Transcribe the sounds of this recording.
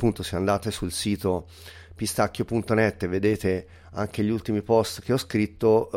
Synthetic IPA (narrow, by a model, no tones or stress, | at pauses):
pːunt̪oseand̪aːt̪esulsiːt̪o | pist̪akːjopunt̪onɛt̪ːeved̪eːt̪e | a̰ŋk̟eʎult̪imipɔst̪k̟eɔskɾit̪ːo